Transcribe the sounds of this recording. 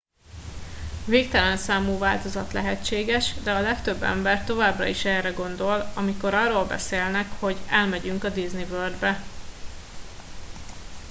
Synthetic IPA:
veːk̚t̪ɛlɛnsaːmuːvaːlt̪o̞zɒt̪lɛɦɛt͡ʃeːɡɛʃd̪ɛɒlɛkt̪ø̞bːɛ̰mbɛrt̪o̞vaːbrɒ̰iʃɛːrɛɡo̞nd̪o̞lɒmiko̞ɾɒrːoːlbɛ̰seːlnɛkho̞ɟɛlmɛɟyŋkɒd̪iznivørd̪bɛ

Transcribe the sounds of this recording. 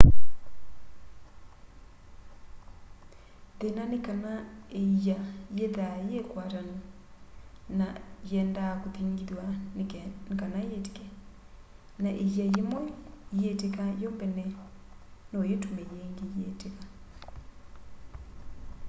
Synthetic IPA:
ðenanekanaejajeðajekwatani | najɛndakoθiŋɡiðwa | nkanajeti̥kɛ | naʔejajemwɛjetekajɔmbɛnɛ | nojetumɛjeŋɡejeteka

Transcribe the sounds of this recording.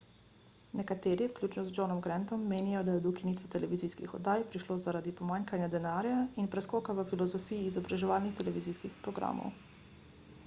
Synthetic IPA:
nɛkat̪eːɾiwklʲjuːt͡ʃnɔzd͡ʒɔnɔmɡɾɛnt̪ɔmːeːnijɔd̪ajɛd̪ukiniːt̪ʋɔt̪ɛlɛʋiziskḭxɔ̰d̪aːjpɾiʃloːzaɾad̪ipɔmaːŋkanjad̪ɛnaːɾjainpɾɛskɔːkaʋəfilɔzɔfiːjiːzɔbɾaʒɛʋaːlnixt̪ɛlɛʋiziskixpɾɔɡɾa̰ːmɔ̰w

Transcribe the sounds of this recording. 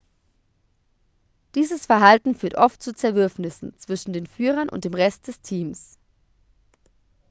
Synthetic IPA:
d̥iːzəsfɛɐɦaltn̩fyːɐtʔɔft̚t͡suːt͡sɛɐvʏɐfnɪsn̩t͡sv̥ɪʃn̩deːnfyːʁ̞ɐnʔʊ̰nt̚d̥eːmʁɛst̚d̥ɛstʰiːms

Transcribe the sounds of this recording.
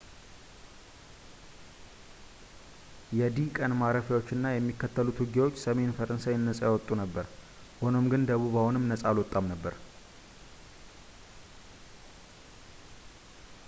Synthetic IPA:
jɛd̪ikʼənmaɾəfjawo̞t͡ʃːɨnːajɛmːikːət̪ʰːəlut̪ʰwuɡawot͡ʃːsəme̞nfəɾənsajɪnːəsʼajawɔt̪ʼːunəbːəɾ | ho̞no̞mɡɨnd̪əβuβawunɨmnəsʼalwɔt̪ʼːamnəbːəɾ

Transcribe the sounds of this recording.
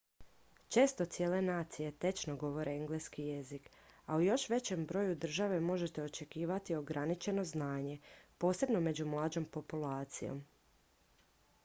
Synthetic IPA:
t͡ʃe̞ːst̪o̞t̪sijeːle̞naːt̪sije̞t̪e̞t͡ʃno̞ɡo̞ʋo̞ɾeeŋɡleskijezik | aujo̞ʃʋe̞t͡ɕe̞mbɾo̞ːjud̪r̩ʒaʋe̞mo̞ʒe̞t̪e̞o̞t͡ʃe̞kiːʋat̪io̞ɡɾanit͡ʃe̞no̞znaːɲe̞po̞ːse̞bno̞me̞d͡ʑumlˠaːd͡ʑo̞mpo̞pulaːt̪sijo̞̰m

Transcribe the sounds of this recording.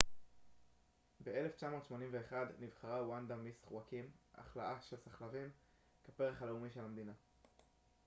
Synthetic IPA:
bee̞le̞ft͡ʃamo̞t̪ʃmo̞nimve̞eχad̪nivχaʁawand̪amisχuakimʔa̰χlaʔaʃelsaχlavim | kepeʁeχaleumiʃe̞lamd̪ina

